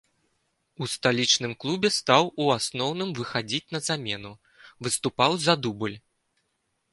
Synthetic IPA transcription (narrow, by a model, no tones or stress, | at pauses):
ust̪alʲit͡ʂn̪ɨmklˠubʲɛst̪awuasnɔwnɨmvɨxad͡zʲit͡sʲn̪ɐzamʲɛnu | vɨst̪upawzɐd̪ubɨlʲ